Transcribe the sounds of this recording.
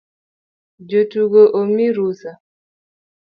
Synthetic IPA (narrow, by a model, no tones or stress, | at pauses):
d͡ʒotuɡoʔomiɾusa